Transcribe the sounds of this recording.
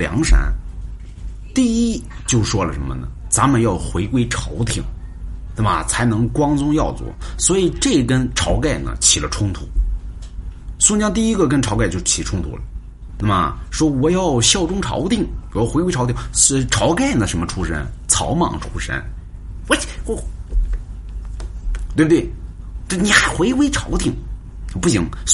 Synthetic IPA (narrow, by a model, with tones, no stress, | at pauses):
ljɑ̰˧˥ŋʂa̰˧˥n | t̪i˥˧i˥t͡ɕjo˥˩ʊʂwɔ˥lə˨˩ʂə˧˥nmə̰˧nə̰˩t͡sa˧˥nmə˨˧njɑ˥˩ʊxwe˧˥ɪkwe˥ɪʈ͡ʂʰɑ˧˥ʊt̪ʰi˧˨˩ŋ | na˥˩mə˨˩t͡sʰa˧˥ɪnɤ˧˥ŋkwɑ˥ŋt͡sʊ˥ŋjɑ˥˧ʊt͡swɔ̰˥˩swɔ˧˥i˨˩ʈ͡ʂe˥˩kə˥nʈ͡ʂʰɑ˧˥ʊka˥˩ɪnə̰˩t͡ɕʰi˨˩lə˦ʈ͡ʂʰʊ˥ŋt̪ʰṵ˨˩˦ | swɔ˧˥˧t͡ɕjɑ˥ŋt̪i˥˩i˥ɡə˨k̬ə˥nʈ͡ʂʰɑ˧˥ʊka˥˩jo˥˩ʊt͡ɕʰi˨˩ʈ͡ʂʰʊ˥ŋt̪ʰṵ˧˥lə̰˨ | na˥˩mə̰˩ʂwɔ˥wɔ˨˩jɑ˥˩˧ʊɕjɑ˥˩ʊʈ͡ʂʊ˥ŋʈ͡ʂʰɑ̰˧˥ʊt̪i˥˩ŋwɔ˨˩jɑ˥˩ʊxe˥ɪwʰt̪ʰi˥˩˧ʈ͡ʂʰɑ˧˥ʊka˥˩ɪnə˩ʂə˧˥nmə˧ʈ͡ʂʰu˥ʂə̰˥nt͡sʰɑ˧˥ʊmɑ̰˨˩ŋʈ͡ʂʰu̥˥ʂə̰˥n˥˩ | t̪we˥˧˩bə˩wɪ | ʈ͡ʂa˥˩ni˨˩xa˧˥ɪxwe˧˥ɪwe˧˥ɪʈ͡ʂʰɑ˧˥ʊt̪ʰi˥˩ŋ˧ | pu˥˩ɕi˧˥ŋ